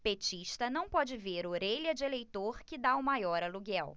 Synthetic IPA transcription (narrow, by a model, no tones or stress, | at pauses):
pet͡ʃiʃt̪ɐnɐ̃w̃pɔd͡ʒɪveɾoɾeʎɐd͡ʒɪelejt̪oɾkɪd̪aumajɔɾɐluɡɛw